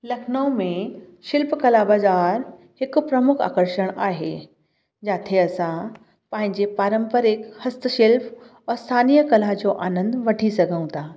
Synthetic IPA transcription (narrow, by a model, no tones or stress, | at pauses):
lɐkʰnəʊ̃mẽʃɪlpkɐlabaːzaːɾ | hɪkʊ̆pɾɐmʊkʰa̰ːkəɾʃəɽ̃aːɦe | d͡ʑaːt̪ʰeɐsã | pɐ̃ɦɪ̃ɲd͡ʑepaːɾə̃mpəɾɪkhɐst̪əʃɪlp | ɛst̪ʰaːnijəkɐlad͡ʑoʔaːnə̃nd̪ʋɐʈʰisɐɡʱəũt̪aː